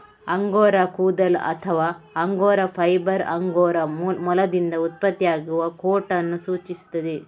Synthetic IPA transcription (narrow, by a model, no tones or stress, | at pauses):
ɐŋɡoːɾɐkuːd̪ɐlɐ̰t̪ʰɐʋaːɐŋɡoːɾɐpʰɐjbɐɾɐŋɡoːɾɐmmɔlɐd̪ind̪ɐut̪̚pɐt̪ːijaːɡuʋɐkoːʈɐnːusuːt͡ʃisu̥t̪ːɐd̪e